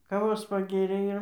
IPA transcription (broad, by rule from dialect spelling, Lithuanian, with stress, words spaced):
kɐˈʋoːs pɐˈɡʲeːrʲeː ɪr